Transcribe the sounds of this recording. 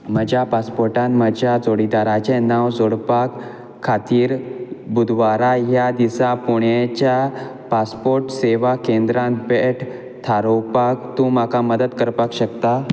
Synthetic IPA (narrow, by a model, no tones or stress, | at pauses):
məd͡ʑʱjapaspoɾʈãnməd͡ʑjad͡zoɽid̪aɾat͡ɕɛnaʋd͡zoɽpakʰː | at̪iːɾbud̪ʋaɾaɦjad̪isapuɳjat͡ɕa | paspoɾʈseʋakend̪ɾãnt̪beʈʰ | t̪ʰaɾowpakt̪ũmakaməd̪ət̪kəɾpakɕəkt̪a